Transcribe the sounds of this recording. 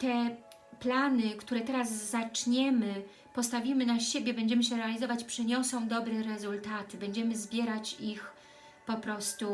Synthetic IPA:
t̪ɛ | planɘkt̪uɾɛt̪ɛɾazːat͡ʂɲɛmɘ | pɔst̪avʲimɘnaɕebʲjɛbɛɲd͡ʑɛmɘɕ̬ɛɾɛalʲizɔvat͡ɕpʂɛɲɔsɔ̃w̃d̪ɔbɾɛɾɛzult̪at̪ɘbɛɲd͡ʑɛmɘzbʲjɛɾat͡ɕix | pɔpɾɔst̪u

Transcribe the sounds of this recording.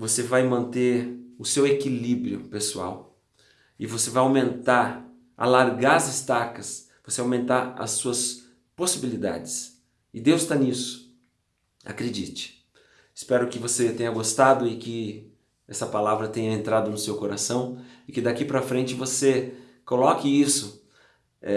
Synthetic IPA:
vosevajmɐ̃nt̪eɾʊsewekilibɾiʊ̰pesua̰w | ɪvosevajawmẽnt̪aɾ | a̰laɾɡaɾɐzɐst̪akɐs | vosejawmẽnt̪aɾɐ̰suɐs | posibilid̪a̰d͡ʒɪs | ɪd̪ewst̪anisʊ̥ | a̰kɾed͡ʒḭt͡ʃɪ̥ | ɪspɛɾʊkɪvoset̪ẽjɲɐɡost̪ad̪ʊɪkɪ | ɛsɐpalavɾɐt̪ẽjɲɐẽnt̪ɾad̪ʊnʊsewkoɾasɐ̃w̃ɪkɪd̪akipɾɐfɾẽnt͡ʃɪvose | kolɔkɪisʊ | ɛ

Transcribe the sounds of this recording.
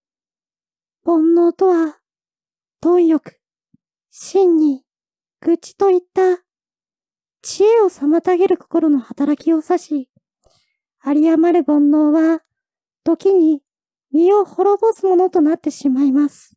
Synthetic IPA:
b̥õ̞nːo̞ːt̪o̞βa | t̪õ̞ijo̞kɯ̥ | ɕĩɲːi | ɡ̥ɯ̟t͡ɕi̥t̪o̞it̪ːa | t͡ɕie̞o̞samat̪aɡe̞ɾɯ̟ko̞̥ko̞ɾo̞no̞hat̪aɾakʲio̞saɕi | aɾʲiamaɾɯ̟bõ̞nːo̞ːβa | t̪o̞kʲiɲ̟i | mʲio̞ho̞ɾo̞bo̞sɨmo̞no̞t̪o̞nat̪ːe̞ɕimaimasɨ̥

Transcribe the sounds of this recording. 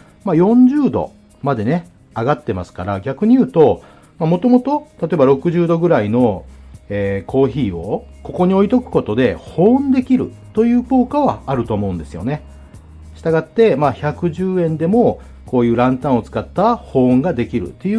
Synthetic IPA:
majõ̞ɲ̟d͡ʑɨːd̪o̞̰ | mad̪e̞ne̞ | aɡat̪ːe̞masɨ̥kaɾaɡʲakɯ̟ɲ̟ijɯ̟ːt̪o̞ | mamo̞t̪o̞mo̞t̪o̞t̪at̪oe̞baɾo̞kɯ̟ʑɨːd̪o̞ɡɯ̟ɾaino̞eːkʰo̞ːçiːo̞ko̞ko̞ɲ̟io̞it̪o̞kɯ̟̥ko̞t̪o̞d̪e̞hõ̞ːnd̪e̞kʲiɾɯ̟̰ | t̪o̞jɯ̟ːko̞ːkaβaːɾɯ̟t̪o̞ːmo̞ɯ̟̃nd̪e̞sɨjo̞̰ne̞ | ɕi̥t̪aɡat̪ːe̞maçakɯ̟ʑɨːẽ̞nd̪e̞mo̞ | ko̞ːjɯ̟ːɾãnt̪ãɰ̃o̞t͡sɨ̥kat̪ːahõ̞ːŋɡad̪e̞kʲiɾɯ̟̰t̪ːe̞jɯ

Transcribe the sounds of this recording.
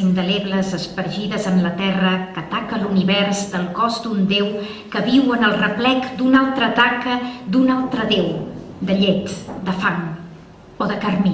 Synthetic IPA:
ind̪əleβləzəspəɾʒiðəzəmlət̪ɛrəkət̪akəluniβɛɾzd̪əlˠkɔzd̪und̪ew | kəβiwənəlˠrəplɛkd̪unalˠt̪ɾət̪akəd̪unalˠt̪ɾəðewd̪əʎɛt̪d̪əfaŋ | oðəkərmi

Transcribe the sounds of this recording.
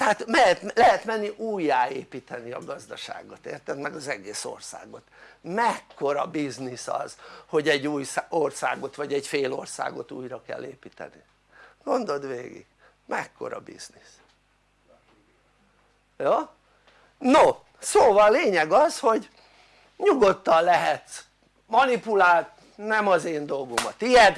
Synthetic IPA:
t̪ɛaːt̪mɛɦɛt̪lɛɦɛt̪mɛnːiʔuːjːaːeːpiːt̪ɛniɒ̰ɡɒzd̪ɒʃa̰ːɡot̪ḛːrt̪ɛt̪mɛɡɒzɛɡeːso̰rsa̰ːɡo̞t̪mɛkːo̞ɾɒbiznisɒ̰z̥ho̞ɟɛɟːuːjsorsa̰ːɡo̞t̪ʋɒɟɛɟfeːlo̞̰rsa̰ːɡo̞̰t̪ṵːjrɒkɛ̰lːeːpiːt̪ɛ̰ni | ɡ̥o̞nd̪o̞d̪ʋḛːɡḭɡ̥ | mʔɛkːo̞̰ɾɒ̰bḭz̥nis | joː | no | soːvɒlːeːɲɛɡɒsho̞ɟ | ɲuɡo̞t̪ːɒlːɛɦɛt̪s | mɒnipulaːlt̪ | nɛmɒzeːnd̪o̞lɡomɒt̪ijɛd̪

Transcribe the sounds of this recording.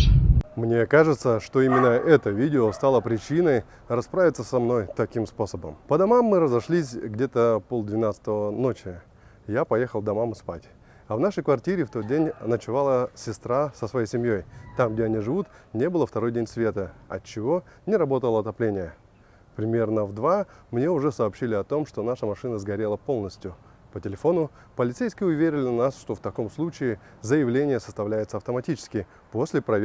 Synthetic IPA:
mnʲe̞kaʐɨt̪səʂt̪o̞imʲɪnːəʔɛt̪əvʲidʲɪost̪alˠəpɾʲɪt͡ɕinəj | rɐspɾavʲɪt̪səsɐmno̞jt̪ɐkʲimspo̞səbə̰mpəd̪ɐmamːɨɾəzɐʂlʲisʲɡdʲe̞t̪əpolˠd̪vʲɪnat̪sə̥t̪əvəno̞t͡ɕɪ | japɐjexəlˠd̪ɐmamɨspa̰tʲ | ɐvnaʂəjkvɐrtʲiɾʲɪft̪o̞t̪̚dʲenʲnət͡ɕɪvalˠəsʲɪst̪ɾasəsvɐjejsʲɪmjo̞jt̪amɡ̚dʲeɐnʲiʐɨvut̪nʲe̞bɨlˠəft̪ɐɾo̞jdʲenʲsvʲe̞t̪əɐ̰t͡ɕːɪvo̞ | nʲɪɾɐbo̞t̪əlˠəɐt̪ɐplʲenʲɪjə | pɾʲɪmʲe̞rnəvd̪vamnʲe̞ʊʐɛsɐːpɕːilʲɪɐt̪o̞mʂt̪o̞naʂəmɐʂɨnəzɡɐɾʲe̞lˠəpo̞lˠnəsʲtʲjʊ | pətʲɪlʲɪfo̞nʊ | pəlʲɪt̪sejskʲɪʊvʲeɾʲɪlʲɪnasʂt̪o̞ft̪ɐko̞mslˠut͡ɕɪɪ | zəjɪvlʲenʲɪjəsə̥st̪ɐvlʲæjɪt̪səɐft̪əmɐtʲit͡ɕɪ̥skʲɪ | po̞sʲlʲɪpɾɐ

